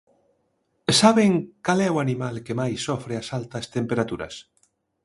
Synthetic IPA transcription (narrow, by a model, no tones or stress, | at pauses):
saβeŋkalɛwanimalkemajsːɔfɾeasalt̪ɐst̪empeɾat̪uɾɐ̰s